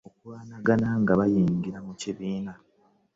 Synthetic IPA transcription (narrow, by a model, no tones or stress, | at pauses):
okuwaːnaɡanaŋɡaβajiːɲɟiɾamuciβiːna